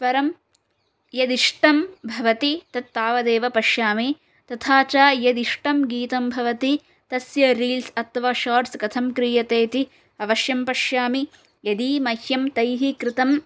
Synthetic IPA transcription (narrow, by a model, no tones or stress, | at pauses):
pɐɾɐm | jɐd̪iʂʈɐmbʱɐʋɐt̪it̪ɐt̪ːaːʋɐd̪eːʋɐpɐʃjaːmi | t̪ɐt̪ʰaːt͡ʃaːjɐd̪iʂʈɐmɡiːt̪ɐmbʱɐʋɐt̪i | t̪ɐsjɐɾiːlsɐt̪ːɐʋaːʃaːɾʈskɐt̪ʰɐmkɾiːjɐt̪eːt̪i | ɐʋɐʃjɐmpɐʃjaːmi | jɐd̪iːmɐhjɐmt̪ɐjɦikɾɪt̪ɐm